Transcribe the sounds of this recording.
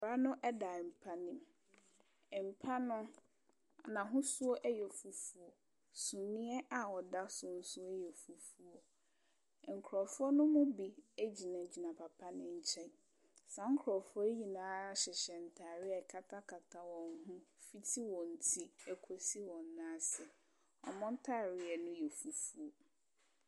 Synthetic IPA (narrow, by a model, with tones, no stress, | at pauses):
ɾa˦nʊ̃˦ʔɛ˦da˨m̩˨pʰa˦nɪ̃˦m˨ | m̩˨pʰa˦nʊ̃˦ | nã˨ɦʊ̃˦su˦o˦ʔɛ˦jɛ˨fu˨fu˨o˨ | sũ˨nĩ˦ɛ˦ʔa˨wɔ˨da˦sʊ˨n̩˦sʊ˦ɛ˦jɛ˨fu˨fu˨o˨ | ŋ̩˨kʰɾɔ˨fʊ˦ɔ˦nʊ̃˦mʊ̃˦bi˨æ˦d͡ʑi˨nã˨d͡ʑi˨nã˨pʰa˨pʰa˦nɪ̃˨ɲ̩˨t͡ɕʰɛ˦n | sã˨˦ŋ̩˦kʰɾɔ˨fʊ˦ɔ˦ɲi˨nãː˦ɕɪ˨ɕɛ˨n̩˨tʰa˨ɾɪ˦ɛ˨kʰa˦tʰa˦kʰa˨tʰa˨wɔ̃˨ŋ˦ɦʊ̃˦fi˦tʰi˦wɔ̃˨n̩˨tʰi˦æ˨kʰo˦si˦wɔ̃˨nːã˦sɛ˨ | ɔ̰˨mɔ̃˦n̩˦tʰa˦˨ɾɪ˨ɛ˨nʊ̃˦jɛ˨fu˨fu˨o˨